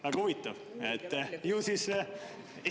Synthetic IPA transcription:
væɡɑhuvit̪ˑːɑv | et̪ːjuːsis

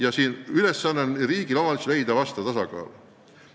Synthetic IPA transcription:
jɑsiːnyle̞sːɑnːenriːɡ̥ilomɑlslejd̪ɑvɑst̪ɑt̪ɑsɑkɑ̰ːl

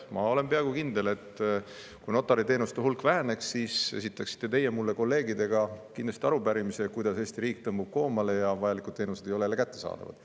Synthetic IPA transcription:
mɑ̰o̞le̞mpe̞ɑɡukind̪e̞le̞t̪ | kujno̞t̪ːˑɑɾit̪e̞ːnust̪eɦulkˑvæɦene̞ksːiːse̞̰sit̪ːˑɑksi̥t̪ːe̞t̪e̞jemulːe̞ko̞lːe̞ːɡid̪e̞ɡ̥ɑkind̪lɑsʲt̪iɑɾupæɾimisekujd̪ɑse̞ːst̪iɾiːk̚t̪ɤmbub̥̚ko̞ːmɑle̞jɑvɑjɑlikˑud̪̥̚t̪e̞ːnuse̞d̪ejolelekæt̪ːesɑ̰ːd̪ɑ̰vɑ̰d̪̥

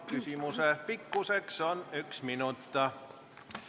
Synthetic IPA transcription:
kysymusepikːuseksonyksminut̪ːɑ

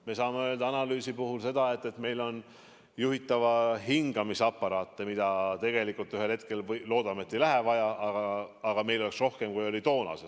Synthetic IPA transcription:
me̞sɑːmeø̞ld̪ɑɑnɑlyːsipuɦulse̞d̪ɑe̞t̪ˑːe̞t̪me̞jlo̞n | juɦit̪ːˑɑvɑɦiŋɡ̥ɑmisɑpːˑɑɾɑːt̪ːemid̪̥ɑt̪e̞ɡ̥e̞likult̪ːˑyɦe̞lhe̞t̪̚ke̞lvlo̞ːd̪ɑme̞t̪ːˑe̞jlæɦevɑjɑɑɡ̥ɑɑɡ̥ɑme̞jlo̞leksro̞hke̞mkujo̞lʲit̪o̞ːnɑ̰se̥

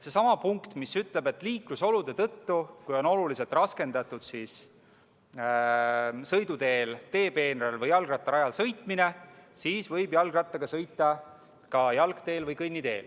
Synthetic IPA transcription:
se̞sɑmɑpuŋkt̪misyt̪le̞be̞t̪ːˑliːkluso̞lud̪̥et̪ɤt̪ːukujo̞no̞lulise̞lt̪ˑrɑske̞nd̪̥ɑt̪ːˑud̪̥siːs | sɤjd̪ut̪e̞ːlt̪e̞ːpe̞ːnɾelvɤjːɑlɡrɑt̪ːˑɑɾɑjɑlsɤjt̪ˑmine̞siːsvɤjbjɑlɡrɑt̪ːˑɑɡ̥ɑsɤjt̪ˑːɑ | kɑjɑlkt̪e̞ːlvɤjkɤjnːit̪e̞̰ːl

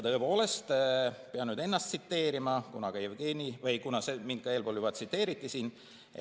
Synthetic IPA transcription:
t̪ɤ̞epo̞ːle̞st̪peɑnyːd̪enːɑst̪sit̪ːe̞ːɾimɑkunɑkejvɡ̥eːnivɤjkunɑseminkːɑe̞ːlpoluvɑt̪sit̪ːˑe̞ːɾit̪ˑːisiːn̰

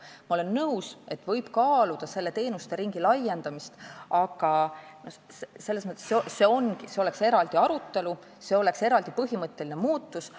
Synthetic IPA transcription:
mɑo̞lenːɤwse̞t̪ːˑvɤjb̥kɑːlud̪̥ɑse̞lːe̞t̪e̞ːnust̪e̞ɾiŋɡ̥ilɑjːe̞nd̪̥ɑmist̪ɑɡɑno | sse̞lːesmɤt̪ːˑesesːe̞o̞nɡiseo̞le̞kse̞ɾɑld̪iɑɾut̪ːe̞lu | se̞o̞le̞kse̞ɾɑld̪ipɤɦimɤt̪ːˑe̞linemuːt̪ˑːus

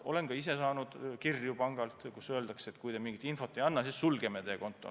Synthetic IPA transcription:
o̞̰le̞nɡɑise̞sɑːnud̪̥kirjupɑŋɡ̥ɑlt̪kusø̞eld̪ɑkset̪ːˑkujd̪emiŋɡ̥it̪info̞t̪ːˑejɑnːɑsissulɡe̞met̪eko̞nt̪ːˑo̰

